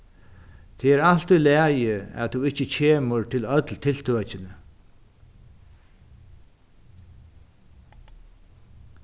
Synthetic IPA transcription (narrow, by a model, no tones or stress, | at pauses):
t̪ʰɛɛɾal̥t̪ʏlɛːjɪɛ̰ðt̪uɪht͡ɕːət͡ɕʰeːməɾt̪ʰɪlœt̪lt̪ʰɪlt̪ʰøt͡ɕɪnə